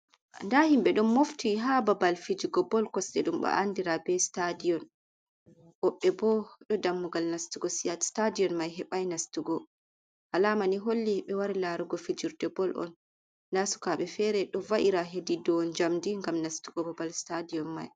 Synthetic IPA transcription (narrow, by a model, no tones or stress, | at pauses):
ndahimɓɛɗɔmmoftʰiɦababalfid͡ʒuɡɔbɔlkɔsɗɛɗumɓa̰ʔandiɾabɛstadijɔn | ʔɔɓːɛbɔɗɔdamːuɡalnastuɡɔsiastadijɔnmajɦɛɓajnastuɡɔ | ʔalamaniɦolːiɓɛwaɾilaɾuɡɔfid͡ʒuɾdɛbɔlʔɔ̰n | dasu̥kaɓɛfɛɾɛɗɔvaʔiɾaɦedidɔnd͡ʒamdiŋɡamnastuɡɔbabalstadijɔnma̰j